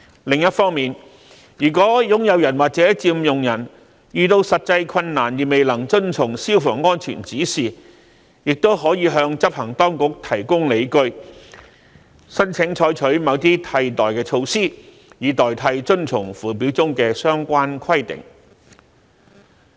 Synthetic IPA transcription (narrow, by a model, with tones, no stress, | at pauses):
lɪ˨ŋjɐ˥t̚fɔː˥ŋmiː˨n | jyː˨˩kʷɔː˨˥jʊ˨˥ŋjɐ˨˧wjɐ˨˩nwaː˨˩t͡sɛː˨˥t͡siː˧mjʊ˨ŋjɐ˨˩n | jyː˨˧t̪o˧wsɐ˨t̚t͡sɐ˧jkʰɐ˧nːaː˨˩njiː˨˩me˨jlɐ˨˩ŋt͡sɵ˥nt͡sʰʊ˨˩ŋsiː˥wfɔː˨˩ŋːɔː˥nt͡ʃʰḭː˨˩nt͡siː˨˥siː˨ | jɪ˨k̚t̪o˥wɦɔː˨˥jiː˨˧ɦœː˧ŋt͡sɐ˥p̚hɐ˨˩ŋt̪ɔː˥ŋkʊ˨˥k̚t̪ʰɐ˨˩jkʊ˥ŋle˨˧jkɵ˧˥ɥ | sɐ˥nt͡sʰɪ˨˥ŋt͡ʃʰɔː˧˥jt͡ʃʰɵ˨˥ɥmɐ˨˧˥wt̪̬iː˥t̪ʰɐ˧jt̪ɔː˨˩jkɛː˧t͡ʃʰo˧wsiː˥ | jiː˨˧t̪ɔː˨˩jt̪ʰɐ˧jt͡sɵ˥nt͡sʰʊ˨˩ŋfuː˨˩piː˨˥wt͡sʊ˥ŋkɛː˧sœː˥ŋkʷaː˥nkʰɐ˥jt̪ɪ̰˨˩ŋ